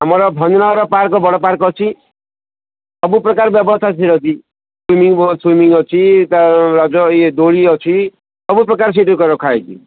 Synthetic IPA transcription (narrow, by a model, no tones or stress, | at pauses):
amɔɾɔbʱɔnɔnɔɾɔpaɾkɔbɔɽɔpaɾkɔt͡ʃʰi | sɔbupɾɔkaɾbjɔbɔst̪ʰasʰiɾɔd͡ʒi | swimiŋbɔswimiŋɔt͡ʃʰit̪aɾad͡ʒɔed̪oɭiɔt͡ʃʰi | sɔbupɾɔkaɾs̬eʈɔkɔɾɔkʰaet͡ʃʰḭ